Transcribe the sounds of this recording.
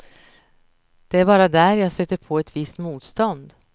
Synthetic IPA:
d̪̥ɛæːɾbɑːɾad̪æɾjɑːsøːt̪ːəɾpʰoːɛt̪vɪst̪muːt̪st̪ɔnd̪

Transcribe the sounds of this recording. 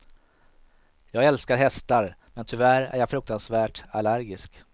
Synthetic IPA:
jɑːɡɛlskaɾɦɛst̪aɾmɛnt̪ʰʏvæɾæ̰ɾjɑfɾɵk̚t̪ansvæːʈalæɾɡɪsk

